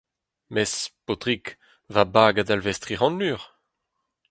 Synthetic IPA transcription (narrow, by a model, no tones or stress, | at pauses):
mɛspot̪ʁik | vabaːɡad̪alvɛst̪ʁiʁɑ̃nyːʁ